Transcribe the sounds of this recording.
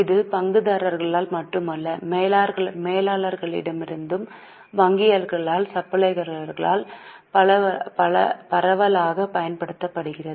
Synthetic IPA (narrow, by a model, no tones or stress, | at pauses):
ɪðɯpɐŋɡɯðɐɾɐɾɣɐɭaːlmɐʈrɯmɐlːɐmeːlaːɾɣɐɭmeːlaːɭɐɾɣɐɭɪ̰ɽɐmɪɾɯnd̪ɯm | ʋɐŋɡɪjɐɾɣɐɭaːlsɐpːɐɭɐɪɣɐɾɣɐɾɣɐɭa̰ːl | pɐɐpɐɐ̰pɐɾɐʋɐlaːɣɐpɐjɐnpɐɽɯt̪ːɐpːɐɽɯɣɪrɐðɯ